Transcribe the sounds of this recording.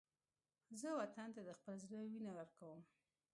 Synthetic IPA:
zəwat̪ant̪ad̪əxpəlzɾəwinawəɾkawəm

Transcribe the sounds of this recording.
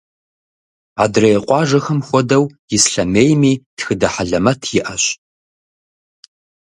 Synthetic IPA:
a̰ːdrɐjɛqʷʼɑːʒɐxɐmxʷɔdɐwjɪsɬɐmeːjmiːtxɨdɐħaɮɐmɐtʰjɪʔɐɕ

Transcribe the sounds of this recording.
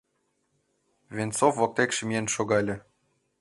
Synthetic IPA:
vʲent͡sofːok̚t̪ekʃɘ̆mʲijenʃoɣɑlʲĕ

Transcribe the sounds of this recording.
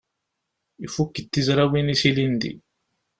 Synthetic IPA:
ifukːit̪ːizɾawinisilind̪ḭ

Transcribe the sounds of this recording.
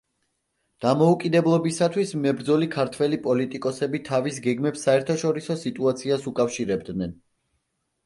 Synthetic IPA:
d̪̥amɔukʼid̪ɛblˠɔbisat̪ʰwismɛbɾd̪zɔlikʰaɾt̪ʰwɛlipʼɔlit̪ʼikʼɔsɛbit̪ʰavis̬ɡɛɡmɛpsːaɛɾt̪ʰaʃɔɾisɔsit̪ʼuat̪sʰiasukʼafʃiɾɛbd̪nɛn

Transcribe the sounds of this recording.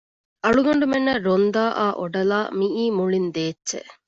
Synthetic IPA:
ʔɐɭuɡɐɳɖumenːɐɾond̪aːʔa̰ːʔoɖɐlaːmiʔiːmuɭind̪eːtːʃḛ

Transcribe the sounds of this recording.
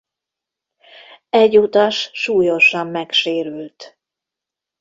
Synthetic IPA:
ɛɟːuːt̪ɒʃʃuːjo̞ʃɒmːɛkʃeːɾylt̪

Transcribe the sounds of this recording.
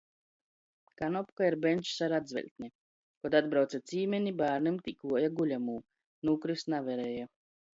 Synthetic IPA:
kanɔpkaiɾbɛnʲt͡ʃsaɾad̪zvʲɛ̰lʲt̪ʲnʲe | kɔd̪ad̪bɾawt̪sat̪sʲiːmʲenʲibaːɾnimt̪ʲikuɔjaɡulʲamuː | nukɾisnavɛɾɛja

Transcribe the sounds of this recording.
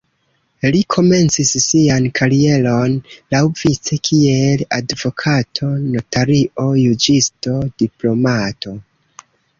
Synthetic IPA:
likʰo̞me̞nt͡sisːiankʰaɾie̞lo̞nlawvit͡se̞kʰieladvo̞kʰatʰo̞notaɾio̞jud͡ʒisto̞diplo̞matʰo̞

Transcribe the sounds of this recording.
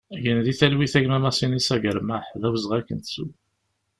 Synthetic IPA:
æʝənðiθælwiθæʝmæmæsˤinisæʝəɾmaħðæwəzʁækːənt̪sṵ

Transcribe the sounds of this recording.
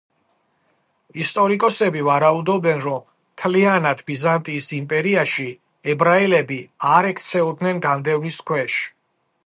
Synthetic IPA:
ist̪ʼɔɾikʼɔsɛbivaɾaud̪ɔbɛnɾɔm | t̪ʰlianad̪ʰbizant̪ʼiːsimpʼɛɾiaʃi | ɛbɾailɛbiaɾɛkʰt̪sʰɛɔd̪nɛnɡand̪ɛvniskʰwɛʃ

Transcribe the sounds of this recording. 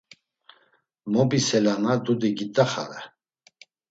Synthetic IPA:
mɔbisɛlanad̪ud̪iɡit̪ʼaχa̰ɾɛ

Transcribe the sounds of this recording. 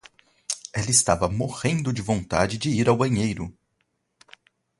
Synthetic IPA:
ɛlɐɪst̪avɐmohẽnd̪ʊd͡ʒɪvõnt̪a̰d͡ʒɪd͡ʒɪiɾawbɐ̃ɲejɾʊ̰

